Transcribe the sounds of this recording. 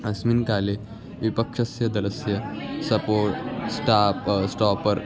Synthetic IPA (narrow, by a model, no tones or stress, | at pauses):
ɐsminkale | ʋipəkʂɐsjɐd̪ɐlɐsjɐsɐpoːʈsʈapsʈɔpəɾ